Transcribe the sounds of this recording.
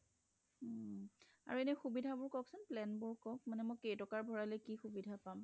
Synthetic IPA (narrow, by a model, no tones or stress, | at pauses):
a̰ɹuɛnɛxubidʱabʊɹkɔksʊnplɛnbʊɹkɔk̚manɛmɔjkejtɔkaɹbʱɔɹalɛkixubidʱapam